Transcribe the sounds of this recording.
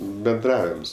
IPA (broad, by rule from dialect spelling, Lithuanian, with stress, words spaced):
bʲɛnˈdrɑːʋʲɪms